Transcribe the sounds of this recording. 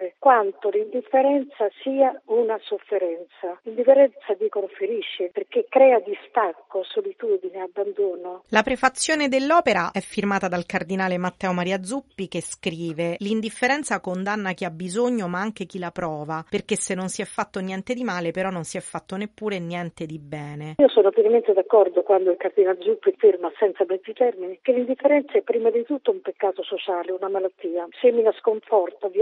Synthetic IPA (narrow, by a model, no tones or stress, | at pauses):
ekwant̪olind̪ifːeɾɛnt̪sasiːaunasofːeɾɛnt̪salind̪ifeɾɛnt̪sad̪ikoɾfeɾiʃːeperkekːɾɛːad̪ist̪akːosolit̪ud̪ineabːand̪oːnolapɾefat̪sːjoːned̪elːɔːpeɾaʔɛfːirmaːt̪ad̪alkard̪inaːlemat̪ːɛːomaɾiːad̪zupːik̟eskɾiːvelind̪iffːeɾɛnt̪sakond̪anːak̟iabːizoɲːomaaŋk̟ek̟ilapɾɔːvaperk̟esːenːonsiɛfːat̪ːonjɛnt̪ed̪imaːlepeɾɔnːonsiɛfːat̪ːonepːuːɾenjɛnt̪ed̪ibɛːneiːosɔnoapiɾament̪ed̪akːɔrd̪okwand̪oilkard̪inald̪zupːifirmasɛnt̪samɛd̪zit̪ɛrminikelːind̪ifːeɾɛnt̪saɛpːɾiːmad̪it̪ut̪ːoumpekːaːt̪osot͡ʃaːleunamalat̪ːiːasemːinaskoɱfɔrt̪av